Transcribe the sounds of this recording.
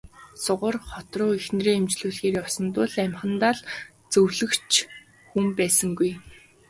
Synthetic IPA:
sʊʁə̆rχɔt̪rʊːixnreːemt͡ɕɮuːɮxeːɾɔsɞ̆nt̪ʊːɮæmχə̆nt̪aɮ | t͡sɵwɮɘ̆kt͡ɕʰ | xumpæːsə̆ŋɡuj

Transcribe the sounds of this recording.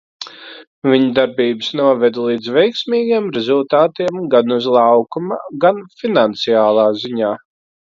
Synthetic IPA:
viɲd̪aɾbiːbɨsnuɔvɛd̪lˠiːd̪zvɛjksmiːɡiɛmɾɛzulˠt̪aːt̪iɛmɡanuzlˠawkumaɡanfinant̪siaːlˠaːziɲaː

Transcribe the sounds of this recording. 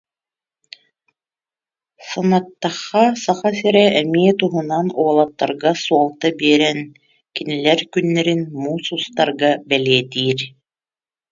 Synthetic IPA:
sanat̪ːaχːasaχasɛɾɛɛmiɛt̪uɦunanuɔlˠat̪ːa̰ɾɡasuɔlˠt̪abiɛɾɛn | kinilɛɾkynːɛɾinmuːsust̪aɾɡabɛliɛt̪iːɾ

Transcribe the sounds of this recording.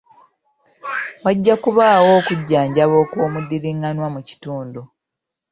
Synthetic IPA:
waɟːakuβaːwo̞ːkuɟːaːɲɟaβo̞ːkwoːmudːiliŋɡanwamuci̥tuːndu

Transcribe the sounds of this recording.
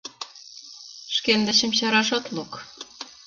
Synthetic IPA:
ʃkend̪eɕɘ̆mɕɑɾɑʃɑt̪luk

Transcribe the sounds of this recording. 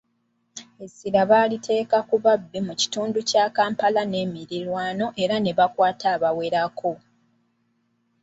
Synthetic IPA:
e̞siɾaβaːlitʰe̞ːkakuβabːimuci̥tuːnducaːkaːmpalane̞ːmiɾilwaːno̞ʔe̞ɾane̞βakwaːtʰaːβawe̞ɾakʰo̞

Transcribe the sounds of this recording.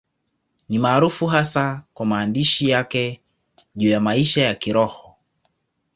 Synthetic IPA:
nimaːɾufuɦasakwamaːndiʃijakɛ | ʄuːjamaiʃajakiɾɔhɔ

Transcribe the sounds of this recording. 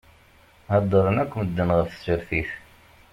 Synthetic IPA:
hɑd̪ˤːəɾˤənækʷːməd̪ːənʁəfsəɾθiθ

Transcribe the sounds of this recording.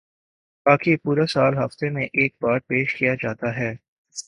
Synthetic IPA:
baːkipuːɾasaːlɦɐft̪emẽʔeːk̚paːʈ̚peːʃkijad͡ʒaːt̪aɦɛː

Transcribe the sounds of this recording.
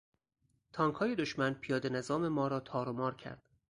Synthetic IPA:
t̪ʰɒːŋkʰhɒːje̞d̪oʃmænpʰijɒːd̪enezɒːme̞mɒːɾɒːt̪ʰɒːɾomɒːɾcʰæ̰ɾd̪̥

